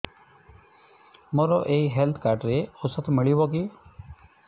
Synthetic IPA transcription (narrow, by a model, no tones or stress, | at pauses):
mɔɾɔʔeiɦelt̪ʰkaɾʈɾeosɔt̪ʰmiɭibɔki